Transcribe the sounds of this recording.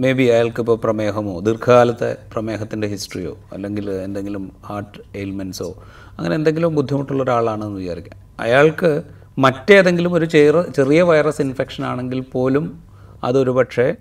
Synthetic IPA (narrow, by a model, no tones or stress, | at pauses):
me̞ːbiɐjaːɭkɨipːoːprɐme̞ːɦɐmo̞̰ːd̪irkʰɐɣaːlɐt̪ːḛprɐme̞ːɦɐt̪ːinde̞ɦisʈrijo̞̰ːɐ̰lːe̞ŋɡilend̪e̞ŋɡilumhaːrʈːɨelmenso̞̰ː | ɐ̰ŋːɐnend̪e̞ŋɡilumbud̪ʱːjɐmiʈːuɭːoɾaːɭaːɳɨenːuʋijkːaːrɾikʲːa̰nɐ̰jaːɭkɨ | mɐtːe̞ɐðe̞ŋɡilumo̞ɾut͡ɕerɐt͡ɕe̞rijɐʋɐjrɐsinfe̞kʂɐnaːɳe̞ŋɡilpo̞ːlum | ɐ̰ðo̞ɾupɐʈʂe̞